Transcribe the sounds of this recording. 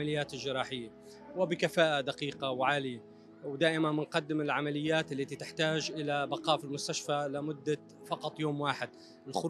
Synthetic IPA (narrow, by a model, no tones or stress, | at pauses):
alɪjːaːt̪ɪlʒɪɾɑːħɪjːa | wɪbɪkafaːʔad̪aqiːqawʕaːlɪja | wd̪aːʔɪmanmɪnqɑd̪ːɪmɪlʕamalɪjːaːt̪ɪlːat̪it̪ɪħt̪aːʒʔɪlabaqɑːʔfilmʊst̪aʃfalɪmʊd̪ːa | fɑqɑt̪ˤjoːmwaːħɪd̪̚ | ɪlxʊ